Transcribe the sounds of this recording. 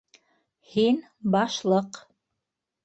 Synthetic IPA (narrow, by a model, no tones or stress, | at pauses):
hin | bɑʃlˠɤq